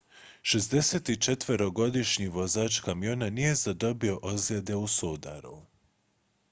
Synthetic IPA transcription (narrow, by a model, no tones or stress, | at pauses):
ʃezd̪e̞set̪it͡ʃet̪ʋəɾo̞ɡo̞d̪iʃɲiʋo̞zaːt͡ʃkamijo̞nanije̞zad̪o̞bio̞ʔozed̪e̞usod̪a̰ɾṵ